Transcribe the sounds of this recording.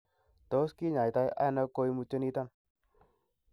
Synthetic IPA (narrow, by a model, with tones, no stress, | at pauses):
to˨˦ski˦ɲa˨jta˧jʔa̰˦na˦ko˧˦i˦mu˧t͡ʃːe˦ni˦ta˦n